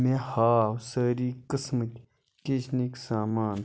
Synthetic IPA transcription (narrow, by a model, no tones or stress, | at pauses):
mẽhaːwsəːɾiːkəsmətʲ | keːt͡ʃniksaːmaːn